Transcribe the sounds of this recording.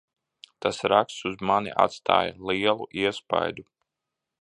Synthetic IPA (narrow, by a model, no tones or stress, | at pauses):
t̪asɾakst̪suzmanḭʔa̰t̪st̪a̰ːjlˠiɛlˠuʔiɛspa̰jd̪u